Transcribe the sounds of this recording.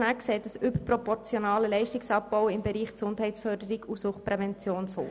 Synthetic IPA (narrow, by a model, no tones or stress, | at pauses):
nækseːtəsybəprɔpɔɾt͡sjonɑːləlɛɪʃtɪksɑp̚b̥ɔʊɪmbɛɾiːχksʊnd̥ɦɛɪtsfœɾdəɾɪɡusʊχtpɾɛvɛnt͡sjoːnfo̰ː